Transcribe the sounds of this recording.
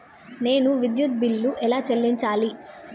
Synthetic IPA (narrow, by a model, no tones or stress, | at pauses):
ne̞ːnuʋid̪jut̪̚bilːuʔɛlaːt͡ʃelːiɲt͡ʃaːli